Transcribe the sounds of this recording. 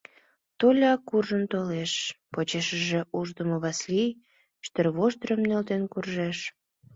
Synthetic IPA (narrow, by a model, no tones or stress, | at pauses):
t̪olʲɑkurʒənt̪oleʃpot͡ɕeʃəʒe̽uʒd̪əmoβɑslij | ʃt̪ərβoʃd̪ɾəmnølt̪enkurʒeʃ